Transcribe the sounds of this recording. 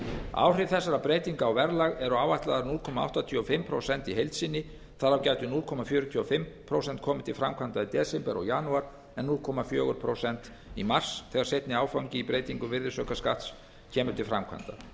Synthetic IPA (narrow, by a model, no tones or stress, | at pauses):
a̰ːwr̥ɪθɛsːaɾapɾeːjt̪iŋkaːwvɛɾlaɣɛɾɔawvaht̪laðaɾnulkʰɔmaa̰wht̪at̪ʰiɔfɪmpʰɾo̰wsɛnt̪iɦejlt̪siːnɪ | θaɾawcaːɥt̪ʏnulkʰɔmafjœːɾʏt̪ʰyɔfɪmpʰɾowsɛnt̪̚kʰɔːmɪt̪ʰɪlfɾamkʰant̪ait̪ɛːsɪmpɛɾɔ̰ɣjaːnuaɾ̥ | ɛnulkʰɔːmafjœːɣʏɾpʰɾowsɛnt̪ | imar̥sθɛːɣaɾ̥sejht̪nɪaːwfawɲcɪipɾejt̪iŋkʏvɪɾðɪsœːkaskaht̪s | cʰɛːmʏɾ̥t̪ʰɪlfɾa̰mkʰa̰nt̪a̰